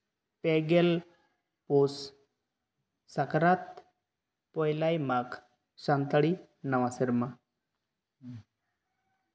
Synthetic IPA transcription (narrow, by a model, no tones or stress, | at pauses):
peɡel | pos | akɾat̪ | pɔjlajmak | ɕant̪aɽi | nəʋasiɾma